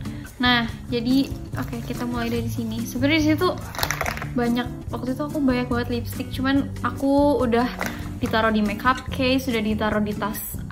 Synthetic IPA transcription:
nahd͡ʒadi | ʔokekit̪amulajdaɾisinisəbəndis̬it̪u | baɲak̚wak̚t̪uit̪uakubaɲak̚baət̪lipst̪ɪk̚t͡ʃuman | akuːdahdit̪aɾɔdimɛkap̚kʰejsudahdit̪aɾɔdit̪as

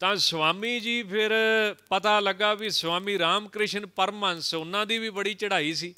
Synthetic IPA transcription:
t̪ãːsʋaːmiːd͡ʒiːpʰɪɾpət̪aːləɡaːʋisʋaːmiːɾaːmkɾɪʃənpəɾmaːnsʊnãːd̪iːʋiːbəɽiːt͡ʃəɽaːiːsiː

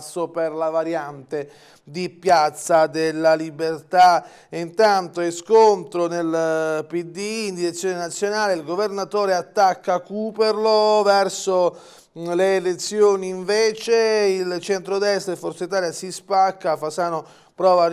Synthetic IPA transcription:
sːoperlavaɾjant̪e | d̪ipjat̪sːad̪elːalibert̪a | int̪ant̪oɛskont̪ɾonelpid̪iːnd̪iɾet̪sːjoːnenat̪sːjonaːleilɡovernat̪oːɾeat̪ːakːakuperlovɛrso | leːlet̪sːjoːniːɱveːt͡ʃeilt͡ʃɛnt̪ɾod̪ɛst̪ɾefoɾt̪sait̪aːljasispakːafasano | pɾɔːva

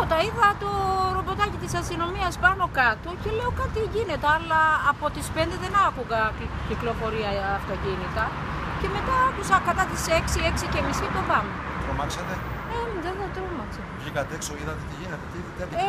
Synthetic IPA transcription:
pot̪ɐiðɐt̪oɾo̞bo̞t̪ɐcit̪isɐst̪ino̞miɐspɐno̞kɐt̪oce̞le̞okɐt̪iʝine̞t̪eɐlɐːpo̞t̪ispe̞nd̪e̞ðe̞nɐkuɣɐciklo̞fo̞ɾiɐːft̪ocinit̪ɐ | ce̞me̞t̪ɐɐkusɐkɐt̪ɐt̪ise̞ksie̞ksice̞misit̪o̞vɐmet̪ɾomɐksɐt̪eemðeðet̪ɾomɐksɐvʝikɐt̪eksoiðɐt̪et̪iʝinet̪et̪iðɐt̪e

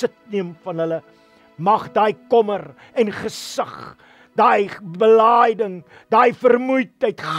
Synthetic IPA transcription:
ətniəmfɐnɦələ | mɐχdɐjkɔmər | ɛnχəsɐχ | d̥ɐjbəlajdəŋ | dɑjfərmujtəjtχ

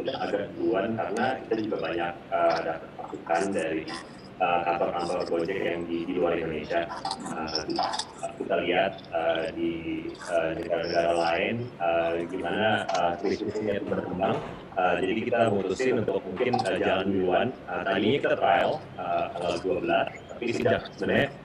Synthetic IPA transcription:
udaŋaɡaʔluankaɾənakit̪ad͡ʒuɡabaɲak̚ədapat̪̚pasukandaɾi | ʔəkat̪ark̪amt̪aŋpɾod͡ʒɛkjaŋdidiluaɾindoneʃiaəd͡ʒua | əkit̪aliɦat̪̚ədiənəɡaɾanəɡaɾalaɪnəɡimanaəkɾisɪsiɲat̪udakəmbaŋ | əd͡ʒadikkit̪amməŋut̪usɪnuunt̪ʊk̚muŋkɪnəd͡ʒaaland͡ʒuanət̪adiːnikət̪ɾal | əkaŋalduabəlast̪apisudaksəmənɲɲa

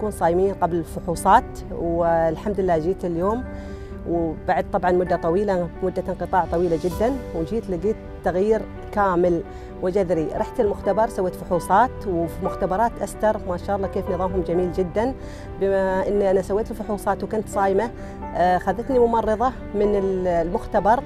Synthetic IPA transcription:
t̪akuːnsˤɑːjmiːnqablɪlfʊħuːsˤɑːt̪ | wlħamd̪ɪlːaːd͡ʒiːt̪ɪljoːm | wbaʕad̪̚t̪ˤɑbʕɑnmʊd̪ːat̪ˤɑwiːlamʊd̪ːanqɨt̪ˤɑːʕt̪ˤɑwiːlad͡ʒɪd̪ːanwd͡ʒiːt̪lɪɡiːt̪t̪ːaɣjiːɾ | kaːmɪl | wɪd͡ʒaðɾiɾˤɑħt̪ɪlmʊxt̪abɑɾˤsawːeːt̪fʊħuːsˤɑːt̪wfmʊxt̪abɑɾˤɑːt̪ʔast̪ɑɾˤmaʃaɑːʔɑlˤːɑkeːfnɨðˤɑːmɦʊmd͡ʒamiːld͡ʒɪd̪ːan | bɪaʔɪnːʔanasawːeːt̪ɪlfʊħuːsˤɑːt̪wkʊnt̪sˤɑːjma | xaðːɪt̪nimʊmɑrˤːɨðˤɑ | mɪnɪllmʊxt̪abɑɾˤ

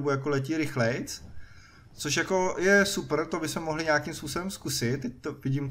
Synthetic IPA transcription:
bujakolɛc̬iːɾɪxlɛjt͡s | t͡soʃ̬jako̞jɛsupr̩t̪obɪsmɛmoɦlɪɲaːkimspuːso̞bɛmskusɪt̪̚ːɛct̪ovɪɟiːmt̪

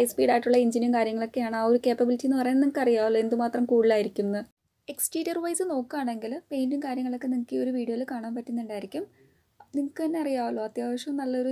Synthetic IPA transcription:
jspiːɽaːjiʈːuɭːɐiɲd͡ʑinumkaːɾjɐŋːɐɭo̞kːe̞jaːɳɨaːo̞ɾukeːpɐbilitːijnːɨpɐrɐjniŋɐkːɨɐrijaːuloe̞nd̪ɨmaːt̪rɐmkuːɽilaːjiɾikʲːunːɐ | e̞kst͡ɕeːɾɐrʋɐjsɨno̞ːkːaːɳe̞ŋɡilpe̞jndiŋkaːɾjɐŋːɐɭo̞kːe̞niŋɐkːɨo̞ɾuʋiːɽiolɨkaːɳaːmpɐtːunːuɳɖaːjiɾikʲːum | niŋɐkːɨɐnːe̞ɐrijaːuɭoːɐt̪jaːʋɐʂjɐmnɐlːɐo̞ɾu

